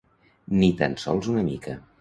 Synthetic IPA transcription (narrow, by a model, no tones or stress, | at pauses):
nit̪a̰nsɔ̰lˠzunəmikʰə